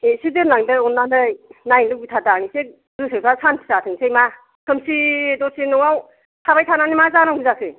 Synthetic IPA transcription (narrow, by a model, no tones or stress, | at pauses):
esidɯɾnaŋdɯɔnːandɯjnajnlɯk̚bitʰadanisek̚ | dɯsɯpʰasanpʰi̥satʰɯŋsejma | kʰɯmsidɔsinɔwaw | tʰabajtʰananimazanaɡuzakʰɯj